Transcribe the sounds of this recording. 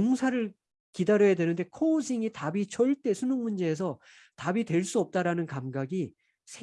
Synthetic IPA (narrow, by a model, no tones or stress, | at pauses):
oŋsʰaɾɯɭ | kidaɾjʌjadwe̞nɯnde̞kʰoːsʰiŋitabit͡ɕʌɭt͈e̞sʰunoŋmund͡ʑe̞ːs̬ʰʌ | tabitwe̞ɭs͈uʌp̚t͈aɾanɯnkamɡaɡi | sʰe